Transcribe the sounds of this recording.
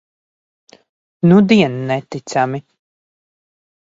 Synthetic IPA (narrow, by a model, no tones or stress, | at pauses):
nud̪iɛnːɛt̪it̪sami